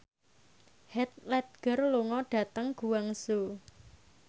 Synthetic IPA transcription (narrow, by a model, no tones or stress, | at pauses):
hɛt̪̚lɛt̪̚ɡ̥ə̤rluŋɔɖ̥ä̤t̪əŋɡ̥ṳwaŋso